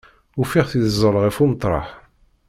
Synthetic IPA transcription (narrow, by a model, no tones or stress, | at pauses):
ufiʁθiðzˤːəlʁifumət̪ˤɾˤɑ̰ħ